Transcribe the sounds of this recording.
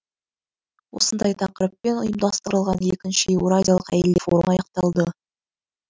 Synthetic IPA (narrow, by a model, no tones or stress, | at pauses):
wo̞̰sənd̪ɑjt̪ʰɑqəɾəpːe̞nʊ̰jəmd̪ɑst̪əɾəlˠʁɑne̞kʲɪnʃɪeuɾadʲijalˠə̥qæ̰jld̪efo̞ɾənɑjɑq̚t̪ɑlˠd̪ə